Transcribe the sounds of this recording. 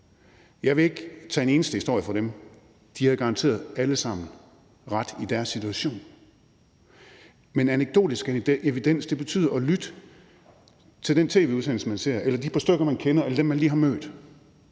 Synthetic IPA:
jɑ̈ɪʋe̝e̝ɡ̥t͡sʰɛ̰ːene̝ːnəsd̥əhisd̥o̝ɐ̰jəfɒ̽ɾem | d̥ihæðˠɡ̥ɑ̈ʁɑ̈nt͡sʰe̝̰ːɐðˠæləsɑ̈m̰n̩ | ʁɑd̥id̥æɐsːit͡sʰuæɕo̝̰ːn | menæneɡ̥̚d̥o̝̰ːd̥isɡ̥eʋid̥en̰sd̥e̝b̥e̝t͡sʰy̰ːð̰ˠɐɒ̽lyd̥ə | t͡sʰe̝ld̥ent͡sʰe̝̰ːʋe̝uðˠsenl̩səmænse̝̰ɐ̰ʔelɐd̥ipʰɒ̽sd̥øɡ̥ɐmænkʰenɐelɐd̥emːænliːɦɑ̈mø̰ːd̥

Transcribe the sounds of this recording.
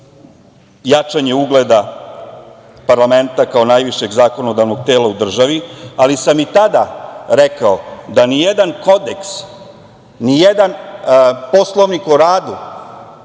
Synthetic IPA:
jat͡ʂaɲe̞uɡled̪a | paɾlˠame̞nt̪akaonajʋiʃe̞ɡzaːko̞no̞d̪aʋno̞ɡ̚t̪e̞ːlˠaud̪r̩ʒaʋialisamit̪ad̪aɾekaod̪anijed̪anko̞d̪eks | nijed̪an | po̞slˠoʋnikoɾaːd̪u

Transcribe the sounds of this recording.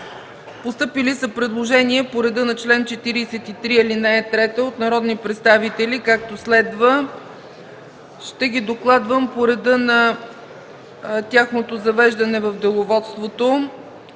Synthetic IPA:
post̪ɤpilisəpɾɛd̪lˠoʒɛniɛpoɾɛd̪ɤnɐt͡ʃlɛnt͡ʃɛt̪iɾiːsɛt̪it̪ɾiɛlinɐɛt̪ɾɛt̪əot̪nɐɾɔd̪nipɾɛt̪st̪avit̪ɛlikak̚t̪oslɛd̪və | ʃt̪ɛɡid̪oklˠad̪vəmpoɾɛd̪ənɐ | t̪ʲjaxnot̪ozɐvɛʒd̪ɐnɛvəfd̪olˠovɔt̪st̪vot̪o

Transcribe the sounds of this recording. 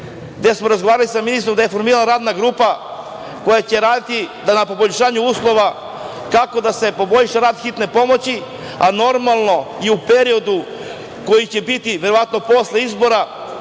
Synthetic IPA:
ɡd̪e̞smo̞ɾazɡoʋaːɾalisaminist̪ɾomd̪aje̞fo̞ɾmiːɾalaɾaːd̪naɡɾuːpa | ko̞jat͡ɕe̞ɾaːd̪it̪id̪anapo̞bo̞ʎʃaːɲuuːslˠo̞ʋa | kako̞d̪ase̞po̞bo̞ʎʃaɾaːd̪xit̪ne̞po̞mo̞t͡ɕi | ano̞ɾmalˠno̞iupe̞ɾio̞d̪u | ko̞jit͡ɕe̞bit̪iʋe̞ɾo̞ʋat̪no̞po̞sle̞izbo̞ɾa

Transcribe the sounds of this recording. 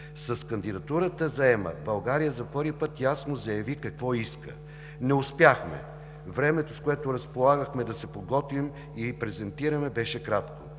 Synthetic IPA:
sɐskɐnd̪id̪ɐt̪uɾət̪əzɐɛmə̰bɐlˠɡaɾijəzɐpɤɾvipɤt̪jasnozɐjɐvikɐkvɔiskə̰ | nɛʊspjaxmɛ̰ | vɾɛmɛt̪oskoɛt̪oɾɐspolˠaɡəxmɛd̪ɐsɛpoɡɔt̪vim | ipɾɛzɛnt̪iɾəmɛbɛʃɛkɾat̪ko

